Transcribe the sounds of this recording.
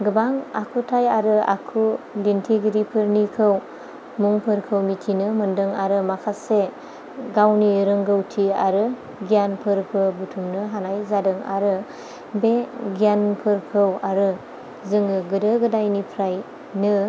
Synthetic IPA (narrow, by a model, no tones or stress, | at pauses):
ɡɯbaŋa̰kʰutʰajaɾɯa̰kʰulintʰiɡiɾipʰɯɾnikʰɯw | muŋpʰɯɾkʰɯwmitʰinɯmɯndɯŋaɾɯmakʰase | ɡawniɾɯŋɡɯwtʰia̰ɾɯ | ɡijanpʰɯɾpʰɯbutʰumnɯɦanajzadɯŋa̰ɾɯ | beɡijanpʰɯɾkʰɯwaɾɯ | zɯŋɯɡɯdɯɡɯdajnipʰɾaj | nɯ